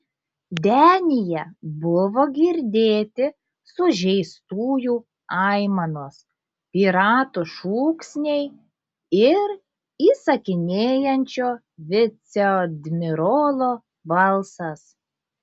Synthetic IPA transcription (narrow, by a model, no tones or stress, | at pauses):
d̪ʲæːnʲɪjɛbʊʋoːɡʲɪɾʲd̪ʲeːt̪ʲɪ | sʊʒʲɛɪst̪uːjuː | ɑɪmɐnoːs | pʲiːɾɑːt̪uʃuːksʲnʲɛɪ | ɪɾ | iːsɐkʲɪnʲeːjɛnʲt͡ʃʲoː | ʋʲɪt̪sʲɛɔd̪ʲmʲɪɾoːlˠoː | bɐlˠsɐs